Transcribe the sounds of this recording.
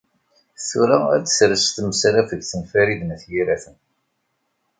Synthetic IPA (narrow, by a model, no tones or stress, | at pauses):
θuɾaæd̪ə̥sɾəst̪məsɾæfəɡθənfæɾiðnθjiɾæθən